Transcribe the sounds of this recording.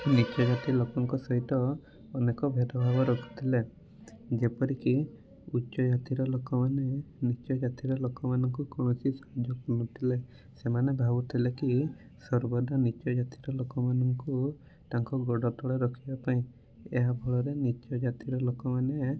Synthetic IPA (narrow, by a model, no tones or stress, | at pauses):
nit͡ʃɔd͡ʒat̪ilokɔŋkɔsɔɦit̪ɔː | nekɔbʱet̪ɔbʱabɔɾɔkʰu̥t̪ʰile | d͡ʒepɔɾiki | utːʃɔd͡ʒat̪iɾɔlokɔmanenit͡ʃɔd͡ʒat̪iɾɔlokɔmanɔŋkukɔñɔsisad͡ʒɔkunut̪ʰile | semanebʱabut̪ʰileki | sɔɾbɔd̪anit͡ʃɔd͡ʒat̪iɾɔlokɔmanɔŋku | taŋkɔɡɔɽɔt̪ɔɽeɾɔkʰibapaĩ | eɦabʱɔɭɔɾenit͡ʃɔd͡ʒat̪iɾɔlokɔmane